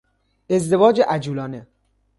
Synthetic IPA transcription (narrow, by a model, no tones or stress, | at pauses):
ezd̪evɒːd͡ʒeʔæd͡ʒuːlɒːne